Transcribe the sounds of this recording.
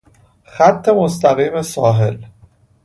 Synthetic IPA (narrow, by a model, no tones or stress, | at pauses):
xæt̪ʰːe̞most̪ʰæɣiːme̞sɒːɦe̞l